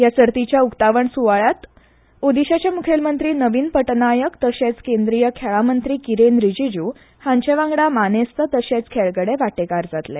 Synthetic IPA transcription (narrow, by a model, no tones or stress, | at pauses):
jasəɾt̪it͡ɕjaukt̪aʋəɳsuʋaɭat̪ | od̪iɕat͡ɕjamukʰjelmənt̪ɾiːnəʋiːnpəʈnajəkt̪əɕet͡skend̪ɾijəkʰɛɭamənt̪ɾiːkiɾenɾid͡ʑid͡ʑuː | hãɲt͡ɕeʋãŋɡɽamanest̪ət̪əɕet͡skʰɛɭɡəɽeʋaʈekaɾd͡zat̪lɛ